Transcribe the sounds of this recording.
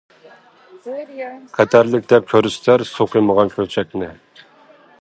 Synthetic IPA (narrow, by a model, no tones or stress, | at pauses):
qʰɛt̪ʰæɾlɪk̚ʲd̪ɛp̚kʲʰøɾyst̪æɾsoqʰəməʁɑnkʲʰøɾt͡ʃʰɛk̚ʲnɪ